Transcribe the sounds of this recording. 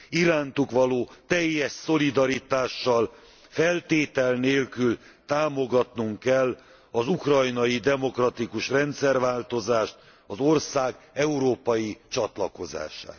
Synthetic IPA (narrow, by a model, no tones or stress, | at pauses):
iɾaːnt̪ukʋɒloːt̪ɛjːɛʃso̞lid̪ɒɾit̪aːʃːɒl | fɛlt̪eːt̪ɛlneːlkyl | t̪aːmo̞ɡɒt̪nuŋkɛlː | ɒzukrɒjnɒjid̪ɛmo̞krɒt̪ikuʃrɛnt̪sɛrvaːlt̪o̞zaːʃt̪ | ɒzo̞rsaːɡ | ɛuɾoːpɒjit͡ʃɒt̪lɒko̞za̰ːʃa̰ːt̪